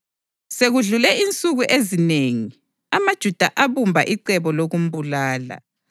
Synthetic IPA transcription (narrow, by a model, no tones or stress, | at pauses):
seɣuɮulɛint͡sʼuɣuʔezineːŋi | amad̥ʒ̥ʱud̥ʱaʔaβumbʱa̰ʔiǀɛβɔloɣum̩bulaːla̰